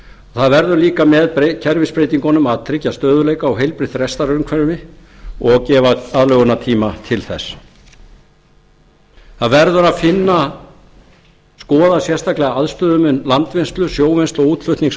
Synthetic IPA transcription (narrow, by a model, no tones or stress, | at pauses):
ɔθaðvɛɾðʏɾliːkamɛðpɾecʰɛɾvɪspɾejt̪iŋkɔnʏmaðt̪ʰɾɪcːast̪œːðʏlejkaɔwɦejlpɾɪt̪rɛst̪aɾʏɾmkʰvɛɾʏmɪɔɣcɛːvaaðlœːɣʏnat̪ʰiːmat̪ʰɪlθɛ̰sː | θaðvɛɾðʏɾaðfɪnːa | skɔːðasjɛ̥st̪ʰaklɛɣaaðst̪œːðʏmʏnlant̪venst̪lʏsjoːwvenst̪ɔuːt̪fʏt̪niŋs